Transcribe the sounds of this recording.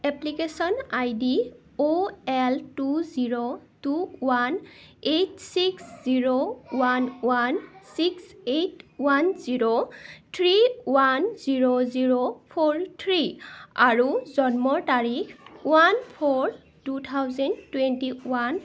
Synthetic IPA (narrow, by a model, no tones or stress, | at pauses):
ɛplikesɔnajdi | oɛltuziɹotuwanetsiksziɹowanwansiksetwanziɹotʰɹiwanziɹoziɹopʰoɹtʰɹiaɹuzɔnmɔɹtaɹixwanpʰɔɹ | tutʰawzɛntwɛntiwan